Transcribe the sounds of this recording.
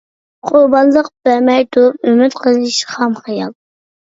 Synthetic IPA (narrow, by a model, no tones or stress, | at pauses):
qʰʊɾbɑnlˠəq̚b̥æmɛjt̪ʰuɾup̚ømyt̪qʰəzɨʃχɑmχɑjɑlˠ